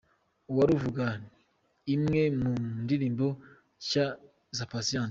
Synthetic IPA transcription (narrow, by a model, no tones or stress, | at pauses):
uwaɾuvuɡa | imŋemundiɾiːmbo | ca | zapasiãːnt